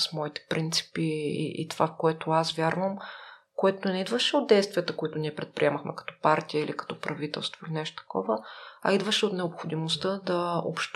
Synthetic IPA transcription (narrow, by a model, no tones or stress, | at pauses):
smɔit̪ɛ̥pɾʔint̪si̥piḭʔḭt̪ovafkoɛt̪oasvʲjaɾvəm | koɛt̪onɛid̪vəʃɛod̪̚d̪ɛjst̪vʲiət̪əkoit̪ʊniɛpɾɛt̪̚pɾʲiɛməxmɛkɐ̥t̪ɔ̥paɾt̪iəilikɐ̥t̪ɔpɾɐvit̪ɛ̰lˠst̪voilinɛʃt̪o̥t̪ɐ̥kɔvəɐ̰id̪vəʃɛot̪nɛopxod̪imost̪ɤd̪ɐo̰pʃt̪